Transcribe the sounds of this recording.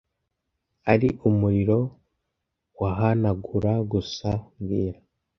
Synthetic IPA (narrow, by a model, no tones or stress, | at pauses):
aɾiʔumuɾiɾo̞ | waɦanaɡuɾaɡusaŋɡiːɾa